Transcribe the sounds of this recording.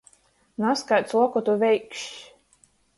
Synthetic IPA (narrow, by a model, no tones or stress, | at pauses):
naskajt̪slˠuɔkɔt̪uvʲɛjkʃ